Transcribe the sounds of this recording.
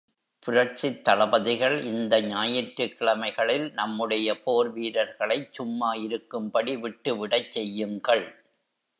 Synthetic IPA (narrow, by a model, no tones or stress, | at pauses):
pʊɾɐɾt͡ʃɪt̪ːɐɭɐbɐðɪɣɐɭʔɪnd̪ɐɲaːjɪʈɾɯkːɪɭɐmɐɪɣɐɭɪlnɐmːɯɽɐjɐpoːɾʋiːɾɐɾɣɐɭɐɪt͡ʃʊmːaːjɪɾɯkːɯmpɐɽiʋɪʈːɯʋɪɽɐt͡ʃsɛjːɯŋɡɐɭ